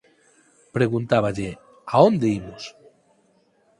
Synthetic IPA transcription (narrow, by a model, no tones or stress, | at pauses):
pɾeɣunt̪aβaʎe | aond̪eimos